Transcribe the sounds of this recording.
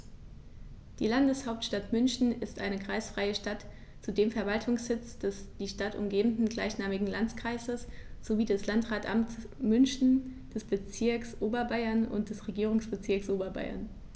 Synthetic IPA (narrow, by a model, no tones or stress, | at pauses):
d̥ḭːlandəshaʊp̚tʃtatmʏnçn̩ɪstʔaɪnəkʁ̥aɪsfʁ̥aɪəʃtat | t͡sudeːmfɛɐvaltʰʊŋsz̥ɪt͡sd̥ɛsd̥iːʃtatʔʊ̰mɡeːbm̩dn̩ɡla̰ɪçnaːmɪɡŋ̩lant͡skʁ̥aɪzəsz̥oviːdɛslantʁaːtʔa̰mt͡s | mʏnçn̩d̥ɛsb̥ət͡sɪɐksʔoːbɐbaɪɐnʊ̰nt̚d̥ɛsʁeɡiːʁ̞ʊŋsb̥ət͡sɪɐksʔoːbɐba̰ɪɐ̰n